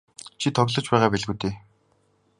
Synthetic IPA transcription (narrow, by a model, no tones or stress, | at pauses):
t͡ɕʰit̪ʰɔɣɮɞ̆t͡ɕpæːʁaːpæɮɣuːt̪eː